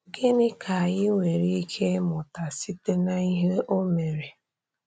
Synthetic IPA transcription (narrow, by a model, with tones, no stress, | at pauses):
ɡɪ˦nɪ˦kʰa˨a˨jɪ˦ŋʷe˨ɾi˦i˦kʰe˦mʊ˨ta˨si˦te˦na˦i˦ɦe˦ʔo˦me˨ɾe˨